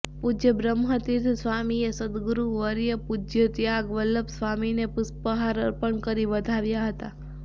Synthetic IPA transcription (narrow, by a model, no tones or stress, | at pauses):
pud͡ʒjəbɾəmɦət̪it̪ʰsʋamiesəd̪ɡɾuʋəɾjəpud͡ʒjət̪jaɡʋəlːəpsʋaminepʊspəɦaɾəɾpəɳkəɾiʋəd̪ʱaʋjaɦət̪a